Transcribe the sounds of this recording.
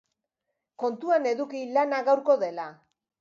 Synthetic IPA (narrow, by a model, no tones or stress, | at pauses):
ko̞nt̪uane̞ðukilanaɣawɾko̞ðe̞la